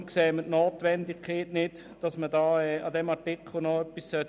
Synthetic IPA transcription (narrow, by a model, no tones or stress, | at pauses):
kseːmətnoːtʋɛndɪkʰeːtnɪt | d̥ɑsmədɑːɛɑ̰dɛmɑɹtɪkχl̩ˠnɔœpːissœt